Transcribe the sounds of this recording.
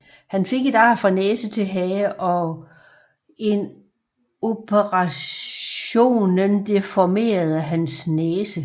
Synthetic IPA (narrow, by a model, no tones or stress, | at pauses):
hænfe̝ɡ̥e̝dɑ̰̈ːfʁɑ̈neːsət͡sʰe̝lɦɛːʔɒ̽ | e̝n | o̝pʰəʁɑɕ | o̝̰ːnənd̥e̝fɒme̝̰ːɐð̞̩ˠəɦænsneːsə